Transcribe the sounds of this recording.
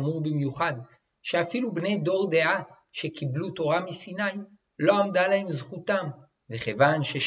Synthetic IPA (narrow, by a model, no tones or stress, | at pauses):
muʁbimjuχad̪ | ʃeafilubne̞jd̪o̞ʁd̪e̞ʔa | ʃe̞kibluto̞ʁamisinaji | lo̞amdalahe̞mzχut̪am | veχevanʃeʃ